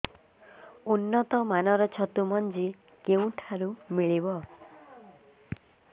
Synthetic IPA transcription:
unːɔt̪ɔmanɔɾɔt͡ʃʰɔt̪umɔnd͡ʒi | keũʈʰaɾumiɭibɔ

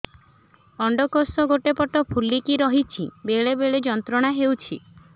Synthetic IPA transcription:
ɔɳɖɔkosɔɡoʈepɔʈɔpʰulːikiɾɔɦit͡ʃʰḭbeɭebeɭed͡ʒɔnt̪ɾɔɽ̃aɦewt͡ʃʰḭ

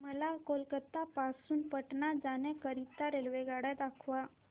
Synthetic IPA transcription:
məlakolkət̪ːapasuːnpəʈnad͡zanɛ̃kəɾit̪ːaɾelʋeɡaɽad̪akʰʋa

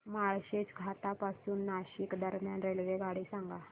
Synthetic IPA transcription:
maɭɕet͡sɡʱat̪apasuːnːaɕikd̪əɾmjanɾelʋeɡaɽiːsaŋɡa

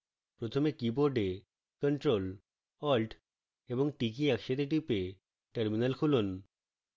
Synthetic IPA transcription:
pɾot̪ʰomekiboɾɖe | kəɳʈɾol | ɔlɖ | eboŋʈik̬iɛkʃeʈ̪eʈ̬ipe | ʈeɾminalkʰulun

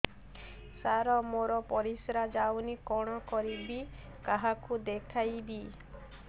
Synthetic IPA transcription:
saɾɔmoɾɔpɔɾisɾad͡ʒawnikɔɽ̃ɔkɔɾibi | kaɦakud̪ekʰajbi

